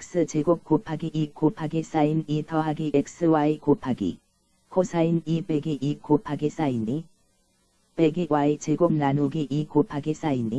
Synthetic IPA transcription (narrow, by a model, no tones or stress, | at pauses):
ek̚s͈ɯt͡ɕeɡokk͈ːopʰaɡeikopʰaɡes͈ainitʰʌɦaɡeek̚s͈ɯwaekopʰaɡḭ | kʰosʰainipeɡeʔikopʰaɡes͈aini | peɡewaet͡ɕeɡok̚nanoɡeʔikopʰaɡes͈aini